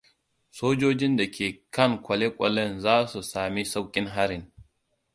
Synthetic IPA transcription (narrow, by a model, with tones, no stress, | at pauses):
soː˦d͡ʒoː˦d͡ʒɪ˦nda˨kʲʰeː˨kɐ˦ŋkʷɐ˨le˦kʷʼɔ˨lɐ˦˨nzaː˦su˨saː˨mi˦sa˦wkʲʼɪ˦ŋɦa˦ɾɪ˨n